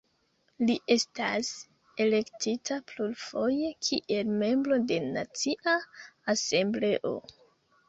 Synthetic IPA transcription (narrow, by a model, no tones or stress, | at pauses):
liʔe̞stas | e̞le̞ktitaplulfo̞je̞kʰiʔe̞lme̞mbɾo̞de̞nat͡siʔaase̞mble̞ʔo̞̰